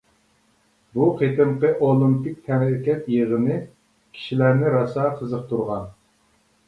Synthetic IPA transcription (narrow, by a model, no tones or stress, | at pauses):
buqʰet̪ɨmqəʔolˠɪmpɪk̚ʲt̪ʰɛmɾɪkʲɛt̪jeʁənɨ | kʲʰi̥ʃilæɾnɪɾɑsɑːqʰəzəq̚t̪ʰuɾʁɑn